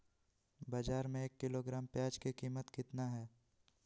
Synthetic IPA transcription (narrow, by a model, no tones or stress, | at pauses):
bad͡ʒaːɾmẽeːkːɪloɡɾaːmpjaːd͡ʒkekiːmət̪kɪt̪naɦɛː